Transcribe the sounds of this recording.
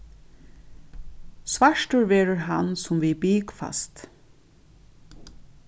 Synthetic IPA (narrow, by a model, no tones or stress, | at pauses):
sʋaʃʈəɹʋɛːɹəɹɦa̰nsʊmvibiːkfa̰st̪